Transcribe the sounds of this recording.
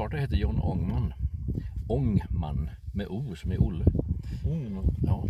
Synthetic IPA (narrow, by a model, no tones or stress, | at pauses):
ɑːʈəheːt̪əɾjɔnːɔ̰ŋmanː | ɔŋma̰nː | mɛʔuːsɔmɛɾʔʊlːə | ɑː